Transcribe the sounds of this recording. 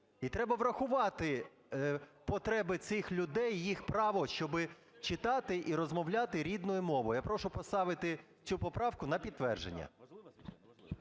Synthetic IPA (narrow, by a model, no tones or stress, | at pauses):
it̪ɾɛbɐʋɾɐxʊʋɑt̪ɪ | pɔt̪ɾɛbɪt̪sɪxlʲʊd̪ɛjːixpɾɑʋɔʃt͡ʃɔbɪ | t͡ʃɪt̪ɑt̪ɪʔiɾɔzmɔwlʲat̪ɪɾʲid̪nɔjʊmɔʋɔjapɾɔʃʊpɔst̪ɑʋɪt̪ɪ | t͡sʲupɔpɾɑwkʊnɐpʲid̪t̪ːʋɛrʒḛnʲːɐ̰